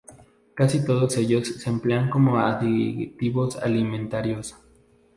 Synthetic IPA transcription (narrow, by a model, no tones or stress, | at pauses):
kasit̪oðosejosːempleaŋkomoaðit̪iβosa̰liment̪aɾjos